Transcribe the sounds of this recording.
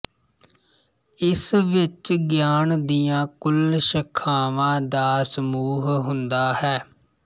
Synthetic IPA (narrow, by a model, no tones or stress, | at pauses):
ɪsʋɪt͡ʃɡjaːnd̪ijãːkʊlʃəkʰːaːʋãːd̪aːsəmuːɦɦʊnd̪aːhɛː